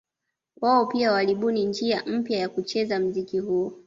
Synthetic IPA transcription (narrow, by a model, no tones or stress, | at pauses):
waɔpiawaliɓunind͡ʒiam̩pjajakut͡ʃɛzam̩zikiɦuɔ